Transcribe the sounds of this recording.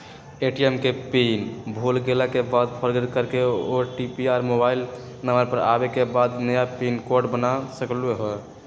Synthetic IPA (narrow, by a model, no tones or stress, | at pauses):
eʈiemkepinbʱolɡelakebad̪pʰəɾɡəɾkəɾkeoʈipiaɾmobail | nəməɾpəɾa̰bekebad̪nəjapinkoɾɖbənasəkleɦo